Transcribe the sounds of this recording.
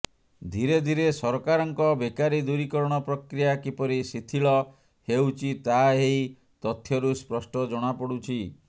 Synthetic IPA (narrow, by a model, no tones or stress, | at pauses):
d̪ʱiɾed̪ʱiɾesɔɾɔkaɾɔŋkɔbekaɾid̪uɾikɔɾɔɽ̃ɔpɾɔkɾijakipɔɾisit̪ʰiɭɔ | hewt͡ʃʰit̪aɦej | t̪ɔt̪ʰjɔɾuspɾɔsʈɔd͡ʒɔɽ̃apɔɽut͡ʃʰi